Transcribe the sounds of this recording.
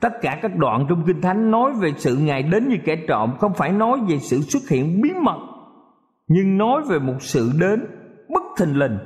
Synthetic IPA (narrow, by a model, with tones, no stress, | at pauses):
t̪ə˦˥t̚kaː˧˩kaː˦˥k̚ɗwa̰ː˧˨nt͡ɕɔ˧wŋ͡mk̬ï˧ŋ̟t̪ʰa˨˦jŋ̟nɔ˨˦jve˨˩sɨ̰˧˨ŋa˨˩jɗe˨˦nɲɨ˧kɛ˧˩t͡ɕɔ̰˧˨mxə˧wŋ͡mfaː˧˩jnɔ˨˦jve˨˩sɨ̰˧˨swə˦˥t̚hḭ˧˨ənɓi˨˦mə˨˩t̚ | ɲɨ˧ŋnɔ˨˦jve˨˩mo˨˩t̚sɨ̰˧˨ɗe˨˦nɓɨ˦˥k̚t̪ʰï˨˩ŋ̟lï˨˩ŋ̟